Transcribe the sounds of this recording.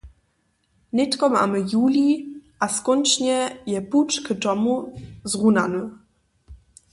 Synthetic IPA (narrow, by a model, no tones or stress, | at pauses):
ɲɛtkɔma̰ːmɘjuːlʲiʔaskɔnʲt͡ʃɲɛjɛput͡ʂktɔmuzʁunanə